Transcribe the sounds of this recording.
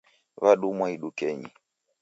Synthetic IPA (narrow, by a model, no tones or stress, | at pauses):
βaɗumwaiɗukɛɲi